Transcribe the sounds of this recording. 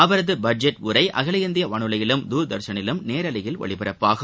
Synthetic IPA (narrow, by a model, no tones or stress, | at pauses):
ɐʋɐɾɐðɯbɐd͡ʒɛʈʊɾɐɪʔɐɣɐlɪjɐnd̪ɪjɐʋɐɳɯlɐjɪlɯmd̪uːɾd̪ɐɾsɐnɪlɯmneːɾɐlɪjɪlʋɐ̰ɭɪpɪɾɐpːaːɣɐ